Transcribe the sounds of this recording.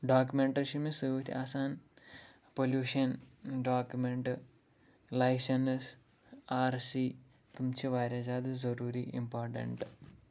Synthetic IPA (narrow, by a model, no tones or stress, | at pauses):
ɖaːkjumeɳʈɐɾiʃɐmisɨːʋɐt̪ʰḭʔaːsaːn | poljuːʂɐnɖaːkːjumeɳʈɨ | lɐjsɐns | aːɾsi | t̪umt͡ɕiʋaːɾɐd͡ʒaːd̪ɨzɐɾuːɾiʔḭmpaːɾʈɐ̰ɳʈɨ